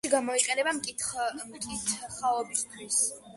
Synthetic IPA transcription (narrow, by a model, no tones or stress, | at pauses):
iɡamɔiqʼɛnɛbamkʼimkʼit̪ʰχaɔbist̪ʰwis